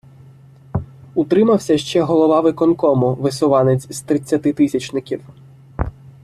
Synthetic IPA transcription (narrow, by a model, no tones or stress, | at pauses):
ut̪ɾɪmɐwsʲɐʃt͡ʃɛɦɔlˠɔʋɑʋɪkɔnkɔmʊʋɪsɔʋɑnet͡sʲz̥t̪ɾɪt͡sʲːɐt̪ɪt̪ɪsʲɐt͡ʃnɪkʲiw